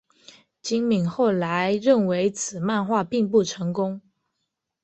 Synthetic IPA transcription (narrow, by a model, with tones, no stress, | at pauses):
t͡ɕi˥ŋmi˨˩ŋxo˥˩ʊla˧˦ɪɻə˥˩nwe˧˥ɪt͡sʰɹ̩˨˩ma˥˧nxwa˥˧pi˥˧ŋpu˥˩ʈ͡ʂʰɤ˧˥ŋkʊ˥ŋ